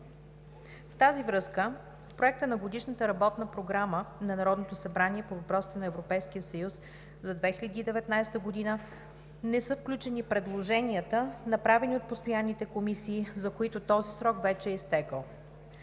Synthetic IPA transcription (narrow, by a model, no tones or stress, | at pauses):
ft̪azivɾɤskə | pɾoɛk̚t̪ənɐɡod̪iʃnət̪əɾɐbɔt̪nəpɾoɡɾamənɐnɐɾɔd̪not̪osɐbɾaniɛpovɐpɾɔsi̥t̪ɛnɐɛvɾopɛjsk̟ijəsɐjus | zɐd̪vɛxilɐd̪iːd̪ɛvɛt̪najst̪əɡod̪inə | nɛsɤfklʲut͡ʃɛnipɾɛd̪lˠoʒɛnʲiət̪ənɐpɾavɛniot̪̚post̪ojanːit̪ɛkomisiːzɐkoit̪ot̪ɔzisɾɔkvɛt͡ʃɛːist̪ɛkəlˠ